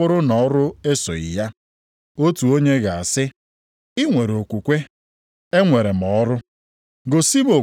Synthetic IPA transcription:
ʊ˦ɾʊ˦nɔ˨˦ɾʊ˦e˦so̰˨ḭ˨ja˦ | o˦tu˨o˦ɲe˦ɣa˨a˨sɪ˦ | ɪ˦ŋʷe˨ɾo˨kʷu˨kʷe˦ | e˦ŋʷe˨ɾe˨m̩˨ɔ˦ɾʊ˦ | ɡo˨si˦bo˨

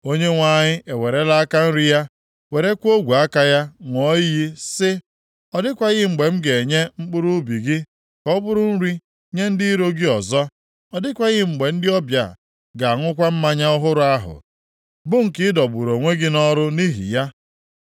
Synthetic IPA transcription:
o˦ɲe˦ŋʷa˨ɲɪ˦ʔe˨we˨ɾe˦la˦a˦ka˦n̩˦ɾi˦ja˦ | we˨ɾe˦kʷo˦ɡʷu˨a˦ka˦ja˦ŋʷɔ˦i˦ji˦sɪ˦ | ɔ˨dɪ˦kʷa˨ɣɪ˦ŋ͡m̩˨ɡ͡be˨m̩˦ɡe˨ɲe˦ŋ͡m̩˦k͡pʊ˦ɾu˦bi˨ɡɪ˦ | kɔ˦bʊ˦ɾʊ˦n̩˦ɾi˦ | ɲe˦n̩˦dɪ˦i˦ɾo˦ɡɪ˦ɔ˨zɔ˦ | ɔ˨dɪ˦kʷa˨ɣɪ˦ŋ͡m̩˨ɡ͡be˨n̩˦dɪ˦ɔ˦bja̰˨ | ɡa˨a˨ŋʷʊ˦kʷa˦m̩˦ma˦ɲa˦ɔ˦ɦʊ˦ɾʊ˦a˦ɦʊ̰˨ | bʊ˦ŋ̩˨kɪ˦dɔ˨bu˨ɾo˨ŋʷe˦ɡɪ˦nɔ˦ɾʊ˦ni˦ɦḭ˨ja˦

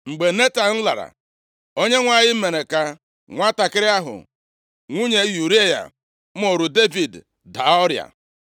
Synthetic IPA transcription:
ŋ͡m̩˨ɡ͡be˨ne˦ta˨n̩˦la˨ɾa̰˨ | o˦ɲe˦ŋʷa˨ɲɪ˦m̩˦me˨ne˨ka˦ | ŋʷa˦ta˨kɪ˦ɾɪ˦a˦ɦʊ̰˨ | ŋʷu˦ɲe˦ju˨ɾe˦ja̰˨ | m̩˦o˨ɾu˨de˦vi˨d | da˨ɔ˦ɾja̰˨

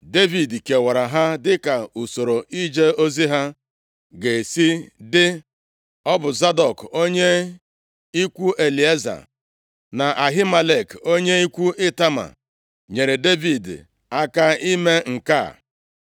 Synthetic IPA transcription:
de˦vi˨dke˨wa˨ɾa˨ɦa˦dɪ˦ka˨u˨so˨ɾo˨ʔi˦d͡ʒe˦o˦zi˦ɦa˦ | ɡe˨si˦dɪ˦ | ɔ˦bʊ˨za˦dɔ˨ko˦ɲe˦ | i˦kʷu˦ʔe˨li˨e˦za̰˨ | na˨ʔa˨ɦi˦ma˨le˨ko˦ɲe˦i˦kʷu˦ɪ˦ta˦ma̰˨ | ɲe˨ɾe˨de˦vi˨d | a˦ka˦i˦me˦ŋ̩˨ka̰˦˨

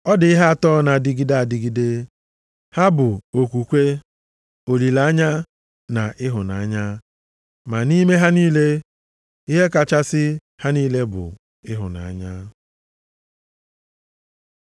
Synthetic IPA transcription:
ɔ˦dɪ˨ɪ˦ɦa˦a˦tɔ˦na˨dɪ˦ɡi˦da˦a˨dɪ˨ɡi˦de˦ | ha˦bʊ˨o˨kʷu˨kʷe˦ | o˨li˨la˨˦ɲa˦ | na˨ʔɪ˦ɦʊ˨na˨a˦ɲa˦ | ma˨ni˦me˦ɦa˦niː˦le˦ | i˦ɦe˦ka˨t͡ʃa˦sɪ˦ | ha˦niː˦le˦bʊ̰˨ | ɪ˦ɦʊ̰˨na̰˨a̰˦ɲa˦

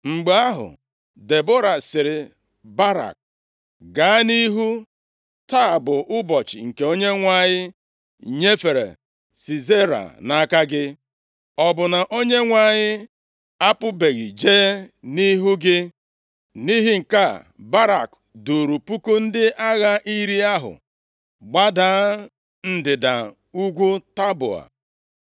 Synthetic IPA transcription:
ŋ͡m̩˨ɡ͡ba˦a˦ɦʊ̰˨ | de˨bo˦ɾa˨sɪ˨ɾɪ˨ | ba˦ɾa̰˨k̚ | ɡa˨˦ni˦ɦu˦ | ta˦a˨bʊ˨ʔʊ˦bɔ˨t͡ʃɪ̰˨ŋ̩˨ke˨o˦ɲe˦ŋʷa˦˨ɲɪ˦ | ɲe˦fe˨ɾḛ˨ | si˨ze˦ɾa̰˨na˨˦ka˦ɡɪ˦ | ɔ˨bʊ˨na˨ʔo˦ɲe˦ŋʷa˦˨ɲɪ˦ | a˦pʊ˦be˨ɣi˨d͡ʒe˦ni˦ɦu˦ɡɪ˦ | ni˦ɦi˦ŋ̩˨ka˦ | ba˦ɾa̰˨k | do˨ɾu˨pu˦ko˦n̩˦dɪ˦ʔa˦ɣa˦ʔi˦ɾi˦a˦ɦʊ̰˨ | ɡ͡ba˦da˦ | n̩˦dɪ˨da̰˨ | u˦ɡʷu˦ta˦bʊ̰˨a̰˨

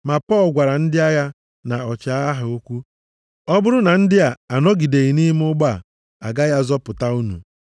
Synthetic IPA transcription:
ma˨pɔ˦lɡʷa˨ɾa˨n̩˦dɪ˦a˦ja˦ | na˨ɔ˨t͡ʃa˨˦a˦ɦʊ˨o˦kʷu˦ | ɔ˦bʊ˦ɾʊ˦na˨n̩˦dɪ˦a˨a˨nɔ˦ɡi˨de˨i˨ni˦m˦ʊ˦ɡ͡ba˦˨ | a̰˨ɡa˦ja˦zɔ˦pʊ˨ta˦u˦nṵ˨

